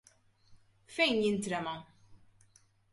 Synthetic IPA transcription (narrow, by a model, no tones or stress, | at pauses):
fɛjnjɪnt̪ɾɛmɐ